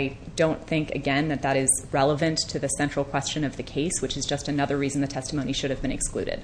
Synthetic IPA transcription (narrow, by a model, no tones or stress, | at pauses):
ɪ | dõʊ̃nθɪ̃ŋkɨ̰ɡɛ̃nðɨt̪̚ðɨɾɪz̥ɹɛlˠəvɨ̃ntʰɨðɨsɛ̃nt͡ʃɹ̥l̩ˠkʰw̥ɛst͡ʃɨ̃nʌvðɨkʰeɪswɨt͡ʃɨzd͡ʒʌstɨnʌðə˞ɹizn̩ðɨtʰɛstəmõʊniʃʊɾɨvbɨ̃ñɨksklʉ̰ɾɪ̰d̥